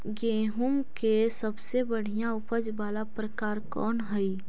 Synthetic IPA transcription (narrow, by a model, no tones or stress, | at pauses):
ɡeːɦʊmkesɐbsebɐɽ̤ijãʊpəd͡ʒbaːlapɾɐkaːɾkɔ̰ːnɦɛi